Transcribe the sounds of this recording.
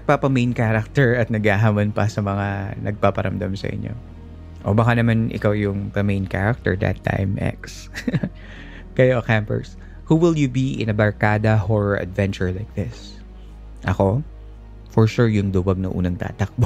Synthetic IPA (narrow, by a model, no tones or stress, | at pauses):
ɐɡ̚papɐmejnkaɾɐk̚t̪ɛɹɐt̪̚nɐɡhaɦaːmonpɐsɐmɐŋanɐɡ̚papɐɾʔɐmd̪amsɐ̰ʔɪ̰ɲʔo̞̰ | ʔobɐkanɐmanʔɪ̰kawjʊŋðɐmejnka̰ɹɐk̚t̪ɛ̰ɹd̪ɐ̰t̪ʰːa̰jmʔɛ̰ks | kɐjokampɛ̰ɹs | huːwɪlˠjʊbiʔɪ̰̃nɐbɐɹkaːd̪ɐhoɹɔɹʔɐ̰d̪vɛ̃nt͡ʃʊɹlajk̚ðɪs | ʔɐko̞ | fɔɹʃuɹjʊŋd̪ʊwɐɡ̚nɐ̰ʔṵːnɐŋt̪a̰ːt̪ɐk̚bo